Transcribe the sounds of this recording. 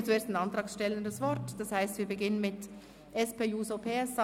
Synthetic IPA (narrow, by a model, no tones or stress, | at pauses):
t͡sueːɐstnɑntʁɑːksʃtɛləndəsvɔɾtd̥ɑshaɪstviːɐbəɡɪnənmɪt | ʔɛspeːjuːzopʰeːɛs